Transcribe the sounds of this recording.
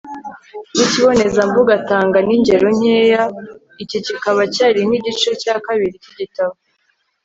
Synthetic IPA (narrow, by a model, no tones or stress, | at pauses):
niciβo̞ne̞zambuɡataːŋɡaniɲɟe̞ɾo̞ɲ̥eːja | icicikaβacaːɾiŋ̥iɟit͡ʃecaːkaβiɾiciɟitaβo